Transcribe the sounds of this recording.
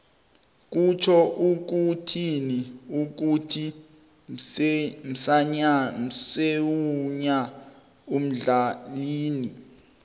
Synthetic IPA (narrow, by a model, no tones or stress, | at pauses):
k̬ut͡ʃʰɔʔuk̬utʰiniuk̬utʰi | m̩saɲam̩sewuɲa | um̩ɮaliːni